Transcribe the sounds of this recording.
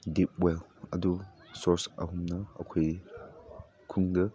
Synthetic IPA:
dip̚welɐdu | sɔɾsɐɦumnɐ̰ːkʰoj | kʰuŋdɐ

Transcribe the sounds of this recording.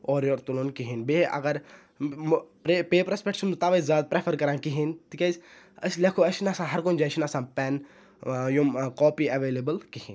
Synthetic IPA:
ɔːɾjoːɾt̪uloːnkiɦinbeʔɐ̰ɡɐɾ | pɾepeːpɾɐspeʈsʰunut̪aʋɐzaːd̪̚pɾepʰəɾkɐɾãːkiɦint̪ikɐs | ɐsleːkʰoɐʃinɐsãːɦɐɾkond͡ʒaʃʰinɐsãːpɛn | jumkoːpiːɐʋeːlebəlkihĩːn

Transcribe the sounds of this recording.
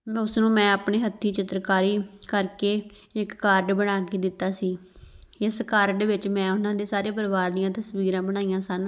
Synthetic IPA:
ʊsnũːmɛ̃ːaːpɳeːɦət̪ʰːiːt͡ʃɪt̪ɾkaːɾiːkəɾkeː | ɪkːaːɾɖbəɽ̃aːkeːd̪ɪt̪ːaːsiː | ɪskaːɾɖʋɪt͡ʃmɛ̃ːʊnãːd̪eːsaːɾeːp̬əɾʋaːɾd̪ɪjãːt̪əsʋiːɾãːbəɽ̃aːijãːsən

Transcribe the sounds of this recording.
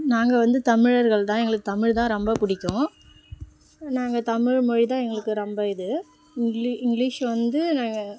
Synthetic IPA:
naːŋɡɐʋɐnd̪ɯt̪ɐmɪɻɐɾɣɐɭt̪ãːɛŋɡɐɭɯkːɯt̪ɐmɪɻt̪ãːɾɔmbɐpʊɽɪkʲːʊ̃ | naːŋɡɐt̪ɐmɪɻmʊɻit̪ãːɛŋɡɐɭɯkːɯɾɔmbɐɪðɯ | ɪŋɡliɪŋɡɭiːʂʋɐnd̪ɯnaːŋɡɐ

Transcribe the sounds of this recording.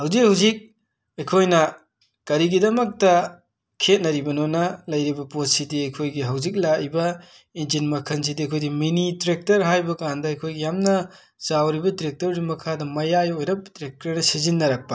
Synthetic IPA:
hɐwzik̚ɦhɐwzik̚ | ɐjkʰojnɐ | kɐɾiɡidɐmɐk̚tɐ | kʰet̚nɐɾibɐnonɐlɐjɾibɐpot̚sidiɐjkʰojɡiɦɐwzik̬̚lajbɐ | inzinmɐkʰɐns̬idiɐjkʰojdiminitɾek̚tɐɾɦajbɐkandɐɐjkʰojɡijamnɐ | zawɾibɐdiɾek̚tɐɾdimɐkʰadɐmɐjajojɾɐp̚diɾek̚tɐɾnɐsizinːɐɾɐk̚pɐ

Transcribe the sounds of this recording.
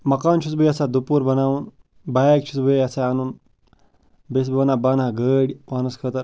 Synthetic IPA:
mɐkaːnt͡ʃʰut͡sbəiɐsad̪upuːɾbɐnaːuːn | baːjak̚t͡ʃʰut͡sbəiɐsaɐnuːn | bes̬bbɐnaːbaːnãɡəɽimaːnuskʰət̪ɐɾ

